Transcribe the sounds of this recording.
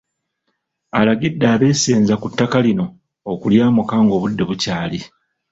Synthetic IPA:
alaɡidːaːβe̞ːse̞ːnzakutːakalino̞ | okuljaːmukaːŋɡo̞ːβudːe̞βucaːli

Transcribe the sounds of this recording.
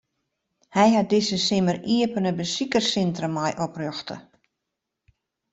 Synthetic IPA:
hɛjɦat̚dɪsəsɪməriəpənəbəsikərsɪntrəmɔjʔɔprøxtə̰

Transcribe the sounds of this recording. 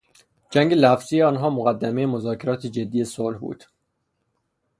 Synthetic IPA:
d͡ʒæŋɟelæfz̥iːjeɒːnɦɒːmoɣæd̪ːæmejemozɒːcʰe̞ɾɒːt̪ʰed͡ʒe̞d̪ːijesolhbṵːd̪̥

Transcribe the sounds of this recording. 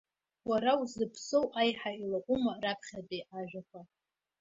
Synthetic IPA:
waɾawzɨpʰsowʔajħailakʷʼʊmarapʰχʲadejʔaʒᶣakʷʰa

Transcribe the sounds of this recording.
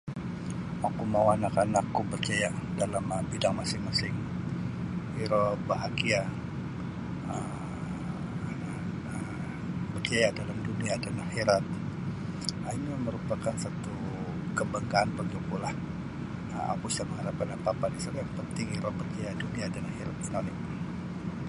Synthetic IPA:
wakumawanakanakːubərt͡ʃajadalaməbidaŋmasɪŋmasɪŋ | iɾɔbaɦaɡia | əm | ana | ə | bərt͡ʃajadalamduniadanahiɾat̪̚ | ainiməɾupakansat̪u | kəbaŋɡaːnpaɡapulah | əmʔa̰pusaməŋhaɾapanapapanisarjaŋpənt̪ɪŋiɾɔbərt͡ʃajaduniadanahiɾat̪̚inonɪk̚

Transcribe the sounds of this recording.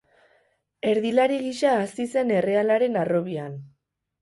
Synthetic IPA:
e̞ɾðilaɾiɣiʃaːsise̞ne̞re̞alaɾe̞naro̞βian

